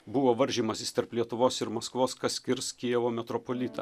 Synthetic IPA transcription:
bʊʋoːʋɐɾʲʒʲiːmɐsʲɪst̪ɐɾplʲiɛt̪ʊʋoːsɪɾmɐskʋoːskɐsʲkʲɪɾskʲiɛʋoːmʲɛt̪ɾɔpolʲɪt̪ɐ̰

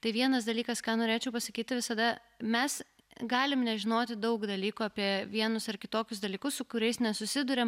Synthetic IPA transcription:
t̪ɐɪʋʲiɛnɐs̬d̪ɐlʲiːkɐskɑːnoːɾʲeːt͡ʃʲɛʊpɐsɐkʲiːt̪ʲɪʋʲɪsɐd̪ɐ | mʲɛs | ɡɑːlʲɪmnʲɛʒʲɪnoːt̪ʲɪd̪ɐʊkd̪ɐlʲiːkuːɑːpʲiɛʋʲiɛnʊsɐrkʲɪt̪oːkʲʊs̬d̪ɐlʲiːkʊssʊkʊɾʲɛɪsnʲɛsʊsʲɪd̪ʊɾʲɛm

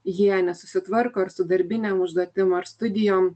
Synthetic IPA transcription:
jiɛnʲɛsʊsʲɪt̪ʋɐɾkoːɐɾsʊd̪ɐɾʲbʲɪnʲɛmʊʒd̪oɔt̪ʲɪmɐɾst̪ʊd̪ʲɪjoːm

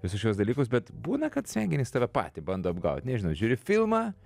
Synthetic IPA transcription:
ʋʲɪsʊʃʲkʲuɔsd̪ɐlʲiːkʊs̬bʲɛt̪buːnɐkɐt̪sʲʋʲɛŋʲɡʲɪnʲɪːst̪ɑːʋʲɛpɑ̰ːt̪ʲibɐnd̪oːɐbɡɐʊt̪ʲnʲɛʒʲɪnɐʊʒʲuːɾʲɪfʲɪlˠmɑː

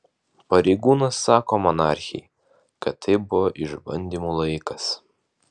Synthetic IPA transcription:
pɐɾʲɛɪɡuːnɐsːɑːkoːmɔnɑˑɾʲxʲɛ̰j | kɐt̪ːɐɪbʊʋoʔɪʒbɐ̰nʲd̪ʲimuːlˠɐɪkɐs

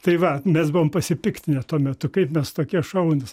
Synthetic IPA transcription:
t̪ɐɪʋɐmʲɛsbʊʋoːmpɐsʲɪpʲɪkt̪ʲɪnʲɛt̪uɔmʲɛt̪ʊkɐɪpmʲɛst̪oːkʲiɛʃɐʊnʲɪs

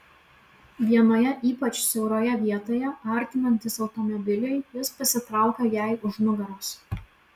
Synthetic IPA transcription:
ʋʲiɛnoːjɛʔiːpɐt͡ʃsʲɛʊɾoːjɛʋʲiɛt̪oːjɛɐɾʲt̪ʲɪnɐnʲt̪ʲɪsɒʊt̪ɔmɔbʲɪlʲɪɪjɪspɐsʲɪt̪ɾɑˑʊkɐjæˑɪʊʒnʊɡɐɾoːs

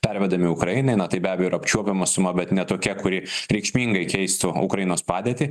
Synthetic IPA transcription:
pʲɛɾʲʋʲɛd̪ɐmʲɪʊkɾɐɪnɐɪnɐt̪ɐɪbʲæːbʲɛjoɪɾɐpʲt͡ʃʲuɔpʲɛmɐsʊmɐbʲɛt̪nʲɛt̪oːkʲɛkʊɾʲɪɾʲɛɪkʃʲmʲiːŋɡɐɪkʲɛɪst̪ʊʊ̰kɾɐjɪnoːspɑːd̪ʲiɛt̪ʲɪ

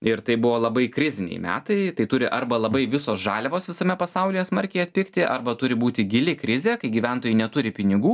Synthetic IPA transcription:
ɪɾt̪ɐɪbʊʋoːlˠɐbɐɪkɾʲɪzʲɪnʲɛ̰ɪmʲæ̰ːt̪ɐɪɐɪt̪ʊɾʲɪʔɐrbɐlˠɐbɐɪʋʲɪsoːsʒɑːlʲɛʋoːsʋʲɪsɐmʲɛpɐsɐʊlʲɪjɛsmɐɾʲkʲɛɪɐt̪ʲpʲɪkt̪ʲɪʔɐrbɐt̪ʊɾʲɪbuːt̪ʲɪɡʲɪlʲɪkɾʲɪzʲeːkɐɪɡʲiːʋʲɛnt̪oːjʲɪnʲɛt̪ʊɾʲɪpʲɪnʲɪɡuː

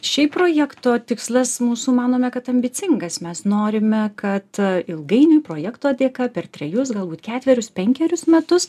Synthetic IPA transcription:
ʃʲɛɪpɾoːjɛkt̪oːt̪ʲɪkslˠɐsmuːsumɑːnoːmʲɛkɐt̪ɐmʲbʲɪt͡s̪ʲɪŋɡɐsmʲɛsnoːɾʲɪmʲɛkɐt̪ɪlˠɡɐɪnʊjpɾoːjɛkt̪oːd̪ʲeːkɐpʲɛrt̪ʲɾʲɛjʊs̬ɡɐlˠbuːt̪kʲæːt̪ʲʋʲɛɾʲʊspʲɛŋʲkʲɛɾʲʊsmʲɛt̪ʊs

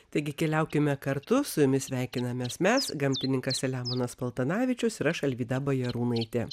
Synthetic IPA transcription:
t̪ɐɪɡʲɪkʲɛlʲɛʊkʲɪmʲɛkɐɾt̪ʊsʊjʊmʲɪsʲʋʲæˑɪkʲɪnɐmʲɛːsmʲɛsɡɐmʲt̪ʲɪnʲɪŋkɐsʲɛlʲæːmonɐspɐlˠt̪ɐnɑːʋʲɪt͡ʃʲʊsɪɾɐʃɐlʲʋʲiːd̪ɐbɐjɛɾuːnɐɪt̪ʲe

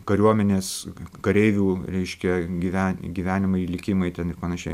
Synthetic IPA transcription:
kɐɾʲuɔmʲɛnʲeːskɐɾʲɛɪʋʲuːɾʲɛɪʃʲkʲɛɡʲiʋʲæːɡʲiːʋʲæːnʲɪmɐɪilʲɪkʲimɐɪt̪ʲɛnɪrpɐnɐʃʲɛɪ

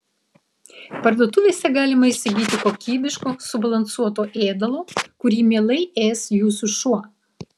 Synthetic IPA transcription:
pɐɾd̪uɔt̪ʊʋʲeːsʲɛɡɑːlʲɪmɐɪʃsʲɪɡʲiːt̪ʲɪkoːkʲiːbʲɪʃkoːsʊbɐlˠɐnsuɔt̪oːʔeːd̪ɐlˠoːkʊɾʲiːmʲeːlˠɐɪeːsjuːsuʃuɔ

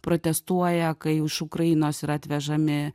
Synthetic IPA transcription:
pɾʔoːt̪ʲɛst̪uɔjɛkɐɪʊʃʊkɾɐjɪnoːsɪɾɐt̪ʲʋʲɛʒɐmʲɪ

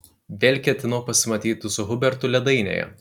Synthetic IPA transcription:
ʋʲeːlʲkʲɛt̪ʲɪnɐʊpɐsʲɪmɐt̪ʲiːt̪ʊsʊɦʊbʲɛɾt̪ʊlʲɛd̪ɐɪnʲḛːjɛ̰

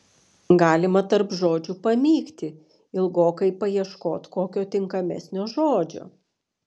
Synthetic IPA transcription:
ɡɑːlʲɪmɐt̪ɐɾpʒoːd͡ʒʲupɐmʲiːkt̪ʲɪ | ɪlˠɡoːkɐɪpɐjiɛʃkoːt̪koːkʲoːt̪ʲɪŋkɐmʲɛ̰sʲnʲoːʒoːd͡ʒʲo̰ː

